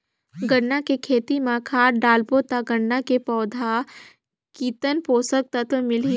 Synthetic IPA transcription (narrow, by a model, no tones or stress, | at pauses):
ɡəɽnakekʰeːt̪imãkʰaːɾɖaːlpoːt̪aɡəɽːakepɔːd̪ʱa | kiːt̪ənpoːsək̚t̪ət̪mɪli